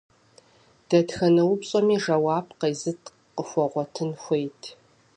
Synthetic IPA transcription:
d̥ɐtxɐnɐwʊpɕʼɐmiːʒɐwaːb̚qɐjzɨtʰ | qəxʷɔʁʷɔtʰɨnxʷejtʰ

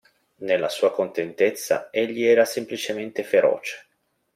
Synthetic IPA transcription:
nelːasuːakont̪ent̪et̪sːa̰eʎːiɛːɾasemplit͡ʃement̪efeɾɔ̰ːt͡ʃe̥

